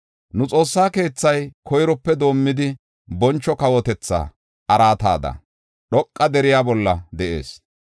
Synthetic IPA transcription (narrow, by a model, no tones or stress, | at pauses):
nʊt͡sʼo̞ːsːaːke̞ːt͡sːɐjkʰɔjɾɔpːɛd̪o̞ːmːɪd̪ɪ | bɔnt͡ʃːɔkɐwɔt̪ɛt͡sːa̰ː | ʔɐɾaːt̪a̰ːd̪ɐ̰ | ɗɔkʼːɐd̪ɛɾɪjaːbɔlːɐd̪ɛʔe̞̰ːs